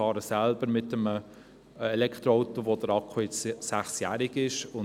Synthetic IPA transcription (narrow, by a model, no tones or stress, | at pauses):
ɑːɾəsælb̥əɾmɪtəmə | ɛlɛkʰt̪ɾoaʊt̪oʋod̥əɾɑkʰχoɪt͡sːæχsjæːɾɪɡɪʃʊ